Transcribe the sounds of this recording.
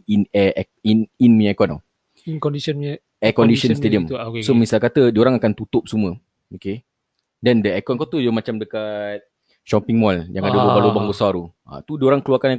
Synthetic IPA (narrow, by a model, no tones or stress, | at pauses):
inɛ | ininmiɲkɔna̰ | ikɔndisɔn | ɛkɔndisənst̪ediəmsomisalkat̪ədioɾaŋakant̪ut̪ʊp̚sumə̃ | oke | dɛndəɛkɔnkɔt̪ujamat͡ʃamdəkat̪̚ | ʃɔpiŋmɔljãŋadəbəbalobaŋɡosaɾua̰t̪udioɾaŋkəluarkana